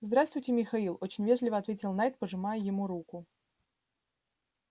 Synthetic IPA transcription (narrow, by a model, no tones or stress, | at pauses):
zd̪ɾast̪vʊjtʲɪmʲɪxɐilˠo̞t͡ɕɪnʲvʲeʐlʲɪvəɐt̪vʲetʲɪlˠnajt̪̚pəʐɨmajəjɪmuɾukʊ